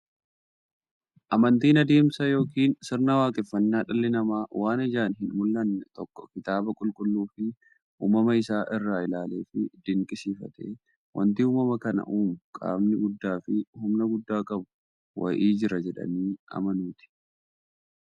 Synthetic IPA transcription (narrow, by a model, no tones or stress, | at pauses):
ʔɐmɐnt̪iːnɐd̪e̞ːmsɐjo̞ːkiːnsɪɾnɐwaːkʼɪfːɐnːaːᶑɐlːɪnɐmaːwaːnɐd͡ʒaːnɦɪnmʊlːɐnːɛt̪ɔkːɔ̥kɪt̪aːbɐkʼʊlkʼʊlːuːfɪ | ṵːmɐmɐɪsaːʔɪrːaːɪlaːleːfɪd̪ɪŋkʼɪsiːfɐ̰t̪ḛː | wʔɐ̰nt̪ɪuːmɐmɐkɐnɐ̰ʔuːmʊkʼa̰ːmnɪɡʊd̪ːaːfɪhʊmnɐɡʊd̪ːaːkʼɐbʊ̥ | wɐ̰ʔiːd͡ʒɪɾɐd͡ʒɛᶑɐ̰niːʔɐ̰mɐnuːt̪ɪ̥